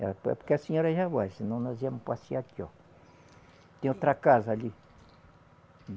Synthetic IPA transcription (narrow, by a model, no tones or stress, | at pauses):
a̰pokeaseɲoɾaʒaβasinɐ̃w̃nɔziamʊ̃pasiak̪jɔ | t̪ẽot̪ɾakazali